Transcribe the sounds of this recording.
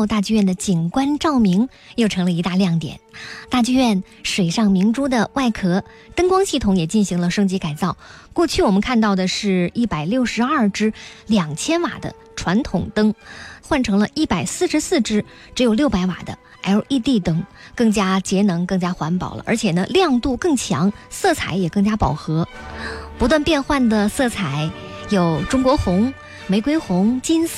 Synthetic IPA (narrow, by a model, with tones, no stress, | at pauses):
t̪a˥˧t͡ɕy˥˧ɥɛ˥˩nd̪ə˩t͡ɕi˨˩nkwa˥nʈ͡ʂɑ˥˩ʊmi˧˥ŋ | jo˥˩ʊʈ͡ʂʰɤ˧˥ŋlə˧i˧˥t̪a˥˧ljɑ˥˩ŋt̪jɛ̰˨˩˦nt̪a˥˧t͡ɕy˥˧ɥɛ˥˩n | ʂwe˨˩ɪʂɑ˥˩ŋmi˧˥ŋʈ͡ʂu˥d̪ə˨wʔa˥˩ɪkʰɤ˧˥ | t̪ɤ˥ŋkwɑ˥ŋɕi˥˩t̪ʰʊ˧˥ŋjɛ˨˩t͡ɕi˥˩nɕi˧˥ŋlə˧ʂɤ˥ŋt͡ɕi˧˥ka˨˩ɪt͡sɑ˥˩ʊ | kwɔ˥˧t͡ɕʰy˥˩wɔ˨˩mə˦nkʰa˥˧nt̪ɑ˥˩ʊd̪ə˩ʂɻ̩˥˩i˥˩pa˨˩ɪljo˥˩ʊʂɻ̩˧˥ɐ˥˩ʈ͡ʂɻ̩˥ljɑ˨˩ŋt͡ɕʰjɛ˥nwa̰˨˩d̪ə̰˦ | ʈ͡ʂʰwa˧˥nt̪ʰʊ˨˩ŋt̪ɤ˥ŋxwa˥˩nʈ͡ʂʰɤ˧˥ŋlə˧ʔi˥˩pa˨˩ɪsɹ̩˥˩ʂɻ̩˧˥sɹ̩˥˩ʈ͡ʂɻ̩˥ | ʈ͡ʂɻ̩˧˥jo˨˩ljo˥˩ʊpa˧˥ɪwa̰˨˩d̪ə̰˦ | xa˧˥ɪjo˨˧˩ʊʔi˥˧t̪i˥˩t̪ɤ˥ŋkɤ˥˩ŋt͡ɕja˥t͡ɕjɛ˧˥nɤ˧˥ŋkɤ˥˩ŋt͡ɕja˥xwa˧˥npɑ̰˨˩ʊlə̰˦ʔə̰˞˧˥t͡ɕʰjɛ˨˩nə˦ljɑ˥˧ŋt̪u˥˧kɤ˥˩ŋt͡ɕʰjɑ̰˧˥ŋsɤ˥˩t͡sʰa˧˥ɪjɛ˨˩kɤ˥˩ŋt͡ɕja˥pɑ˨˩ʊxɤ˧˥pu˧˥t̪̬wa˥˧npjɛ˥˧nxwa˥˩nd̪ə˩sɤ˥˩t͡sʰa˨˧˥ɪjo˨˩ʊʈ͡ʂʊ˥ŋkwɔ˧˥xʊ˧˥ŋ | me˧˥ɪkwe˥ɪxʊ˧˥ŋt͡ɕi˥n